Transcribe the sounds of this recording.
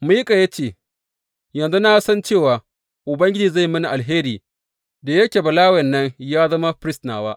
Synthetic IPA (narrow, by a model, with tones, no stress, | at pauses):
mu˦jkʼa˨ja˦t͡ʃeː˦˨ | jɐ˨nzu˦na˦sɐ˦nt͡ʃeː˦˨waː˨ | ʔʊ˨bɐ˦ŋɡʲɪ˦d͡ʒiː˨za˦˨jmɪ˦ni˨ʔa˨lɦeː˦ɾiː˨ | da˨jɐ˦kʲe˨bɐ˨laː˦wɛ˨nːɐ˦njaː˦zɐ˦ma˦ɸɾɪ˦snaː˨waː˦ʔ